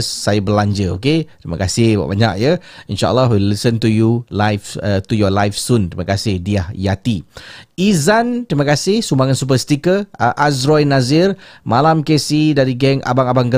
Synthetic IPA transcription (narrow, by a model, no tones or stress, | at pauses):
sːajəbəlaɲd͡ʒəo̰ket̪ɾiməkasɪhba̰ʔbaɲa̰k̚jəinʃa̰ʔə̰lːɔɦwilisənt̪ujulajft̪ujɔlajfsunt̪ɾiməkasɪhdiahjat̪iizant̪ɾiməkasɪhsumaŋãnsup̬əst̪ikəʔasɾɔjnazɪrmalamkesidaɾiɡɛŋʔa̰baŋabaŋɡə